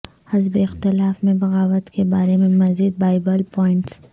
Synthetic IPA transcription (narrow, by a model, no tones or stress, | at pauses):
hɐzbeɪxt̪ɪlaːfmẽbɐɣaːwət̪kebaːɾemẽmɐziːd̪̚baːɪbəlpɔːɪɳʈs